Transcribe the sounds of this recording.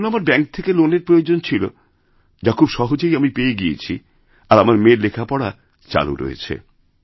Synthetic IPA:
namaɾbɛŋk̚t̪ʰekeloneɾpɾojod͡ʑont͡ɕʰilo̰ | d͡ʑakʰubʃɔɦod͡ʑejamipeeɡijḛt͡ɕʰi | aɾamaɾmeɾlekʰapɔɽa | t͡ɕa̰lṵɾo̰jḛt͡ɕʰḛ

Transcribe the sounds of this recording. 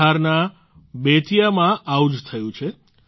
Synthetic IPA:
aɾna | bet̪ʰijamãʔawd͡ʒt̪ʰəjũt͡ʃʰe

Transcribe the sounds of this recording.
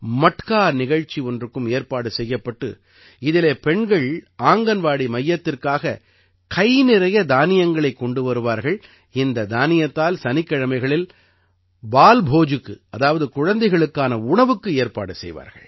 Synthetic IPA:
mɐʈkaːnɪɣɐɻt͡ʃːiɔndrɯkːɯmeːɾpaːɽɯsɛjːɐpːɐʈːɯ̰ | ɪðɪleːpɛɳɡɐɭʔaːŋɡɐnʋaːɽimɐjːɐt̪ːɪrkaːɣɐ | kɐjnɪɾɐjɐd̪aːnɪjɐŋɡɐɭɐɪkːɔɳɖɯʋɐɾɯʋaːɾɣɐɭ | ɪnd̪ɐd̪aːnɪjɐt̪ːaːlsɐnɪkːɐɻɐmɐɪɣɐɭɪl | baːlbʱoːd͡ʒɯkːɯʔɐðaːʋɐðɯkʊɻɐnd̪ɐɪɣɐɭɯkːaːnɐʊɳɐʋɯkːɯeːɾpa̰ːɽɯsɛ̰jʋa̰ːɾɣɐ̰ɭ

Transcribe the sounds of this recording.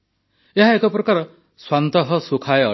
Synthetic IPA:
eɦaekɔpɾɔkaɾɔ | swant̪ɔɦɔsukʰaeɔ̰

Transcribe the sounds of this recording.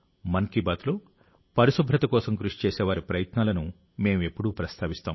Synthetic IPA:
mɐnkibaːt̪loː | pɐɾisubʱɾɐt̪ɐkɔːsɐmkɾuʂi̥t͡ʃeːseːʋaːɾipɾɐjɐt̪naːlɐnu | me̞ːme̞pːuɽuːpɾɐst̪ʰaːʋist̪aːm

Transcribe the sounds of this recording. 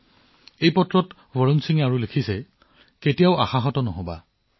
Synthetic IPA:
ejpɔtɹɔt | bɔɹɔnsiŋaɹulekʰisɛ | ketijaʊaxaɦɔtɔnɔɦɔba̰

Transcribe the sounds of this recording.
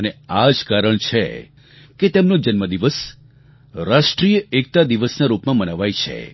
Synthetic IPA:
ənead͡ʒkaɾəɳt͡ʃʰḛ | ket̪emnod͡ʒənməd̪iʋəs | ɾaʃʈɾijəek̚t̪ad̪iʋəsnaɾupmãmənəʋajt͡ʃʰḛ

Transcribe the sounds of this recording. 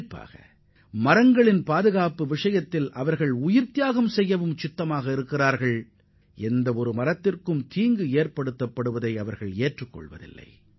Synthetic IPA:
pːa̰ːɣɐ̰ | mɐɾɐŋɡɐɭɪnpaːðɯɣaːpɯʋɪʂɐjɐt̪ːɪlʔɐʋɐɾɣɐɭʊjɪɾt̪ɪjaːɣɐmsɛjːɐʋɯmt͡ʃɪt̪ːɐmaːɣɐɪɾɯkːɪraːɾɣɐɭ | ɛnd̪ɐɔɾɯmɐɾɐt̪ːɪrkɯmt̪iːŋɡɯeːɾpɐɽɯt̪ːɐpːɐɽɯʋɐðɐɪɐʋɐɾɣɐɭeːʈrɯkːɔ̰ɭʋɐ̰ðɪ̰lːɐ̰ɪ

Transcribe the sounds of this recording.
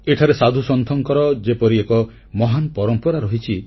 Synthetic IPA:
eʈʰaɾesad̪ʱusɔnt̪ʰɔŋkɔɾɔd͡ʒepɔɾiekɔ | mɔɦanpɔɾɔmpɔɾaɾɔɦit͡ʃʰi

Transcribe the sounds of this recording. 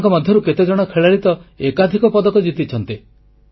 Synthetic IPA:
ŋkɔmɔd̪ʱjɔɾuket̪ed͡ʒɔɽ̃ɔkʰeɭaɭit̪ɔekad̪ʱikɔpɔd̪ɔkɔd͡ʒit̪it͡ʃʰɔnt̪i

